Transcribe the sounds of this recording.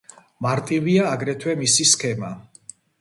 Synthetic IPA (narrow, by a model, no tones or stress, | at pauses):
maɾt̪ʼiviaːɡɾɛt̪ʰwɛmisiskʰɛma